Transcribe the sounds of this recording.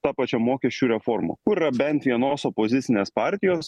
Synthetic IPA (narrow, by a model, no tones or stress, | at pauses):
t̪ɑːpɑt͡ʃʲomoːkʲɛʃʲt͡ʃʲuːɾʲɛfoːɾmo̰kʊɪɾɐbʲɛnt̪ʋʲiɛnoːsopoːzʲɪt̪sʲɪnʲeːspɑːˑɾʲt̪ʲɪjoːs